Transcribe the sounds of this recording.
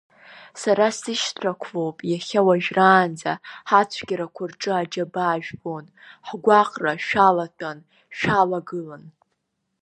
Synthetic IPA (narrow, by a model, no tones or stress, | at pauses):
saɾasɨʃtʰrakʷʰvo̞wpʼjaχʲawaʒᶣraːnd͡zaħat͡sʷʰɡʲaɾakʷʰʊrʈ͡ʂʼɨad͡ʒabaːʒᶣbon | ħɡʷaqʼraʃᶣalatʰʼan | ʃᶣalaɡɨlan